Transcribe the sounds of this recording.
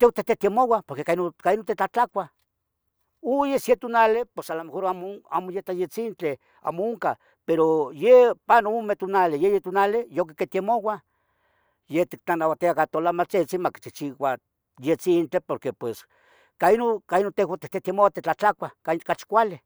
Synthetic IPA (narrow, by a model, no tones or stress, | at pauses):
t̪ewat̪et̪et̪emowapoɾkekainokainot̪et͡ɬat͡ɬakʷa | ujesjet̪onalepwesalamexoɾamoa̰mojet̪ajet͡sint͡ɬe | a̰ːmooŋka | peɾojepanoumet̪onalejejet̪onalejokeket̪jemowa | jeht̪ik̚t͡ɬanawat̪iakat̪olamat͡set͡simaki̥t͡ʃit͡ʃiwa | jet͡sint͡ɬepoɾkepwes | kainokainot̪ewat̪et̪et̪emowat̪et͡ɬat͡ɬakʷakakat͡ʃi̥kʷale